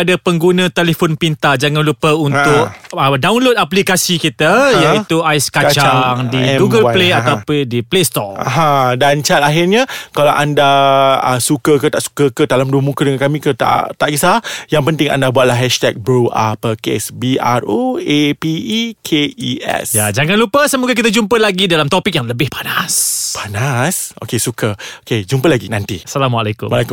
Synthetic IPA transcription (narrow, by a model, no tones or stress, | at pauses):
adapəŋɡunə̃t̪elefonpint̪ad͡ʒaŋanlupəunt̪ʊʔədawnlod̚aplikasikit̪ajait̪uajskat͡ʃaaŋdiɡuɡəlpleat̪awpdiplest̪ɔa̰ɦãdant͡ʃat̪aɦirɲãkalawʔandaəsukəkət̪aʔsu̥kəkəd̪alamduəmũkədəŋankamĩkət̪a̰t̪aʔɡisajaŋpənt̪ɪŋa̰ndabuat̪̚laɦɛʃt̪ɛk̚bɾuʔa̰pəkḛsbiʔaroepikʰeiɛ̰sjad͡ʒaŋanlupəsəmoɡakit̪ad͡ʒumpəlaɡidalamt̪opik̚jaŋləbɪhpanaspanasʔo̰kesukəoked͡ʒumpəlaɡinant̪iasalamwalekʊ̰mwalekum